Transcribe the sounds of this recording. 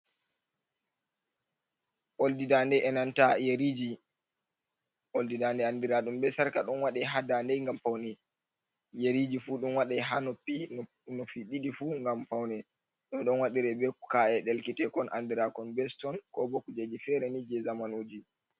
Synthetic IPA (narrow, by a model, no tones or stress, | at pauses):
ʔoldidandɛʔɛnantajeɾid͡ʒi | ʔoldidandɛandiɾaɗumbɛsaɾkaɗɔnwaɗɛɦadandɛjŋɡamfawnɛ | jeɾid͡ʒifuɗunwaɗɛɦanɔpi | nɔfiɗidifuŋɡamfawnɛ | ɗɔmɗɔnwaɗiɾɛbɛkaɛɗɛlkitɛkɔnʔa̰ndiɾakɔnbɛstɔnkɔbokud͡ʒed͡ʒifɛɾɛnid͡ʒɛzamanoːd͡ʒi